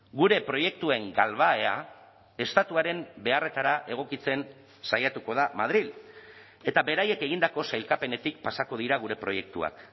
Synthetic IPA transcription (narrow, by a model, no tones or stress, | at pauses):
ɡuɾe̞pɾo̞je̞k̚t̪ue̞ŋɡalβ̞ae̞a | e̞st̪at̪uaɾe̞mbe̞are̞t̪aɾaʔe̞ɣ̞o̞kit͡se̞n | sajat̪uko̞ð̞amað̞ɾil | e̞t̪aβe̞ɾaje̞ke̞ɣind̪ako̞sajlkape̞ne̞t̪ik̚pasako̞ð̞iɾaɣ̞uɾe̞pɾo̞je̞k̚t̪ua̰k